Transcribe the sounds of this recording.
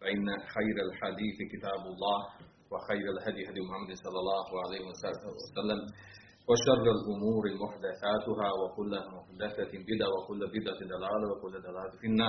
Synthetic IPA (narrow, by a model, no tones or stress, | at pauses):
faʔɪnːaxajɾalħad̪iːθkɪt̪aːbalˤːɑːh | waxajɾalɦad̪jɪɦad̪jmʊħamːad̪nsˤɑlːɑlˤːɑːhʕalajːhɪwsalːam | waʃɑrˤːalʔʊmuːɾɪmʊħd̪aθaːt̪ʊɦaːwakʊlːmʊħd̪aθabɪd̪ʕawakʊlːabɪd̪ʕad̪alaːlawakʊlːad̪alaːlafinːɑːɾˤ